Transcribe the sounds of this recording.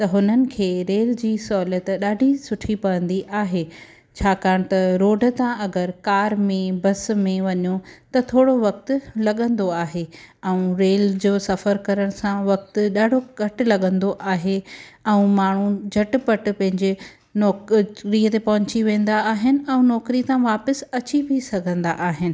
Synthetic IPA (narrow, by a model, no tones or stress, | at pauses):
t̪ɐɦʊnənɪ̆kʰeːɾeːld͡ʑiːsɔːlət̪ɗaːɖʱisʊʈʰipɐʋə̃nd̪iʔaːɦeː | t͡ɕʰaːkaːɽ̃̆t̪ɐɾoːɖʱə̆t̪ãɐɡəɾkaːɾmẽbɐsmẽʋɐɲot̪ɐt̪ʰoːɽoʋɐk̚t̪ʊ̆lɐɠə̃nd̪oaːɦeɛ̃ũɾeːld͡ʑoːsɐfəɾkɐɾəɽ̃sãʋɐk̚t̪ʊ̆ɗaːɖʱokɐʈʊ̆lɐɠə̃nd̪oʔaːɦeɛ̃ũmaːɳ̤ud͡ʑʱɐʈpɐʈ̆pɐ̃ɦɪ̃ɲd͡ʑe | nɔːkɾiət̪epɐɦʊ̃t͡ɕiʋẽːn̆d̪aːɦɪnɪ̆ɛ̃ũnɔːkɾit̪ãʋaːpəsɐt͡ɕibʱisɐɡʱə̃nd̪a̰ʔaːɦɪnɪ̆